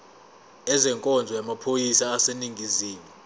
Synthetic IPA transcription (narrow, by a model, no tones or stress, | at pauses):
ɛzɛŋkʼɔnd͡zʱɔjamapʰojisaːseniŋɡʱiziːmi